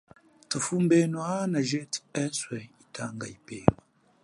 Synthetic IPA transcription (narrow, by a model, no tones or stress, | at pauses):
təfumbenwanaʒeti̥ɛswɛitʰaŋɡa̰ipeːma